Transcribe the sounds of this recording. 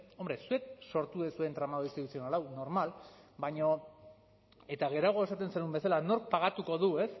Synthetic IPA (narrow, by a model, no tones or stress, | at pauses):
o̞mbɾe̞sue̞k̚so̞ɾt̪uesue̞nt̪ɾamaðoisit̪usionalawno̞ɾmalbaɲo̞ | e̞t̪aɣ̞e̞ɾaɣ̞o̞e̞sat̪e̞nsenumbe̞salano̞ɾk̚paɣ̞at̪uko̞ðue̞s